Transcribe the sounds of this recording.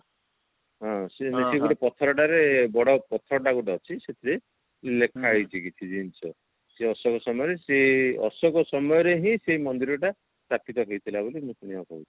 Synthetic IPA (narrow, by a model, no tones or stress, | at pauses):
ɦɔ̃seneseɡuʈepɔt̪ʰɔɾɔʈaɾebɔɽɔpɔt̪ʰɔɾɔʈaɡuʈeɔt͡ʃʰiset̪ʰiɾe | lekʰaɦojt͡ʃʰikit̪ʰid͡ʒint͡ʃʰɔ | seɔsɔkɔsɔmɔjɔɾeseɔ̰sɔkɔsɔmɔjɔɾeɦĩseimɔnd̪iɾɔʈa | t̪apit̪ɔɦejt̪ʰilabolimũsuñiapɔut͡ʃʰi̥